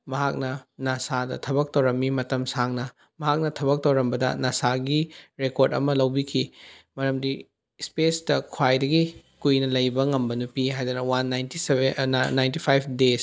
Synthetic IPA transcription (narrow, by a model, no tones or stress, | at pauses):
mɐɦak̚nɐnasadɐ̰tʰɐbɐk̚tɐwɾɐmːimɐtɐmsaŋnɐ | mɐɦak̚nɐtʰɐbɐk̚tɐwɾɐmbɐdɐ̰nasaɡiɾekoɾdɐ̰mɐlɐwbikʰimɐɾɐmdi | spesdɐkʰwajdɐɡikujnɐlɐjbɐŋɐmbɐnupiɦajdɐnɐwanːajntisːajntipʰajpʰdes